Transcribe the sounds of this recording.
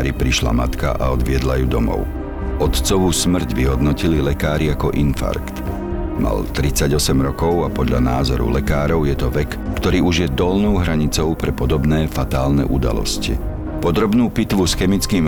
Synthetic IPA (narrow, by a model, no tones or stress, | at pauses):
ɾipɾiʃla̰mat̪ka̰ʔa̰ɔd̪ʋɪɛd̪lajuːd̪ɔmɔ̰ʊ | ɔt̪t͡sɔʋusmr̩ɟʋiɦɔd̪nɔcililɛkaːɾiakɔʔinfa̰ɾkt̪ | ma̰lt̪ɾit͡saɟɔsɛmɾɔkɔʊapɔd̪ʎa̰naːzɔɾṵlɛkaːɾɔʊjɛt̪ɔʋɛkːt̪ɔɾiːuʒjɛd̪ɔlnɔʊɦɾaɲit͡sɔʊpɾɛpɔd̪ɔbnɛːfat̪aːlnɛ̰ʔud̪a̰lɔ̰scḭ | pɔd̪ɾɔbnuːpit̪ʋusxɛmit͡skiːm